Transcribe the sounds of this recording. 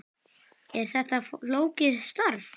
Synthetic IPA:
ɛɾθɛht̪aloːwcɪðst̪aɾv

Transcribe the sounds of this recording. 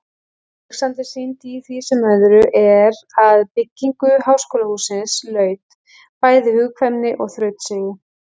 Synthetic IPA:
ksant̪ɪsint̪iθvisɛmœðʏɾʏʔɛɾaðpɪcːiŋkʏɦawskoːlahuːsɪnslœːɥt̪ | paːjðɪhʏɣkʰvɛmnɪʔɔɣθɾœːɥt̪seːjɪ

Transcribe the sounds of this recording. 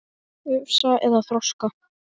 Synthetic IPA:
ʏvsaʔɛðaθɾɔska

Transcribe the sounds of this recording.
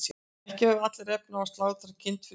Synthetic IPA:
hcɪhœvʏat̪lɪrɛpnaast̪laːwðɪθaɾacʰɪnt̪f

